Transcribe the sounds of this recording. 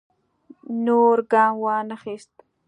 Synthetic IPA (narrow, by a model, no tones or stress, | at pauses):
noːɾɡaːmwaːnɐxeːst̪